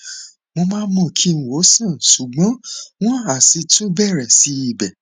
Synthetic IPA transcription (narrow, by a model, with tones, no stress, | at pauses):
wõ˧mãː˦n˦mɔ̃˦˨kʰi˦n̩˨wo˨˦sĩ˦˨n˨su˨ɡ͡bɔ̃˨˦w̃ɔ̃˦a˨si˧tũ˦bɛ˦˨ɾɛ˨si˨˧˦i˦˨bɛ˨